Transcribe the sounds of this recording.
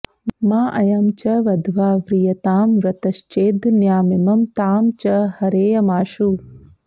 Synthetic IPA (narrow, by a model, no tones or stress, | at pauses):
maːʔɐjɐmt͡ʃɐʋɐd̪ʱʋaːʋɾijɐt̪aːmɾɐt̪ɐʃt͡ʃeːd̪njaːmɪmɐmt̪aːmt͡ʃɐhɐɾeːjɐmaːʃu